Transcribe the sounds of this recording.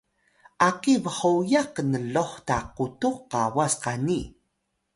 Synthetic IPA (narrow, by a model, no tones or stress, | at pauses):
ʔaqivəχujaqənəloχtaqutuqːawasqani